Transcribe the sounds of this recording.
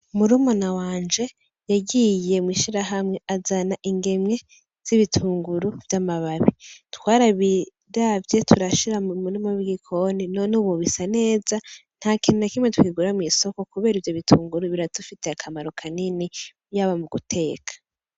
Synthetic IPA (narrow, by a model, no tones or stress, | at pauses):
muɾumonawaːnd͡ʒe̞ | jaɡije̞mwiːʃiɾaɦamŋe̞ʔazanaʔiŋɡe̞mŋe̞ | z̥iβitʰuːŋɡuɾuv̥jamaβaβitkwaːɾaβi | ɾavje̞tʰuɾaʃiɾaumuɾimoβiɡikʰo̞ninonuβuβisane̞ːzan̥hakinunakimwetuwiɡuɾamwiso̞ko̞kuβe̞ːɾivjo̞βitʰuːŋɡuɾuβiɾatufite̞akʰamaɾo̞kʰaniniβjaβamuɡutʰe̞ːkʰḁ